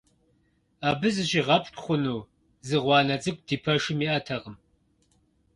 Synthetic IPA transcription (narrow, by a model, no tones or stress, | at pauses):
aːbɨzɨʑiʁɐpʰtʰʼχʷʊnuː | zɨʁʷɑːnɐt͡sʼɨk̚ʷʼd̥iːpʰɐʂɪmiːʔɐtʰɐʁəm